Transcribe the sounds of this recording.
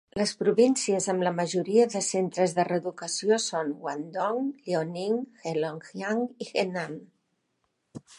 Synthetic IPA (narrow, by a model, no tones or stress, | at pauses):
ləspɾuβinsiəzəmləməʒuɾiəðəsent̪ɾəzðərəðukəsiosonwand̪ɔŋʎeoniŋxeloŋxjaŋiɣenam